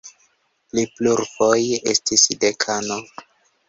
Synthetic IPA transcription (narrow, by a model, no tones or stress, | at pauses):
plipluɾpoje̞̰stisdekʰano